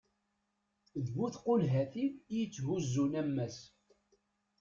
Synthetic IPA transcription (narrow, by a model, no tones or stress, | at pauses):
ðvuθqʊnɦæθijət͡sːhuzːunæmːæs